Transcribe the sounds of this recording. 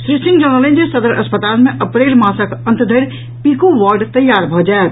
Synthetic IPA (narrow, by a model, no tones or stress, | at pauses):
sɾisɪ̃ŋɡd͡ʒəñəlẽnd͡ʒesəd̪əɾʔə̰spət̪aːlmẽʔəpɾeːlmãːsəkə̃nt̪d̪ʱəɾ | pikuʋaɾɖt̪əjːaːɾbʱɔd͡ʒaet̪